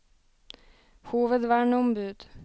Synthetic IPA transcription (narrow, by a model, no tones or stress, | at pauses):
huːʋəd̪ʋɑːɾɳːɔmbʉːd̪̥